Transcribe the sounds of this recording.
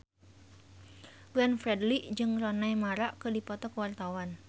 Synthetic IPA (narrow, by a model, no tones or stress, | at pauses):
ɡɛnfɾɛdliʔd͡ʒɨŋrɔnajmaɾaʔkɨdipɔt̪ɔkwart̪awan